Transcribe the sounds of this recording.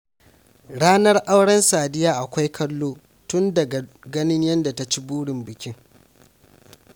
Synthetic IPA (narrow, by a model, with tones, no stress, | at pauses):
ɽaː˦nɐ˦rʔa˦wɽɐ˦nsaː˨dɪ˦jaː˦ʔa˨kʷa˦jkʰɐ˦lːoː˦ | tʊ˦ndɐ˨ɡ | ɡɐ˦nɪ˦ɲjɐ˦nda˨ta˦t͡ʃi˦buː˦ɽɪ˨mbɪ˨kʲɪ˦ŋ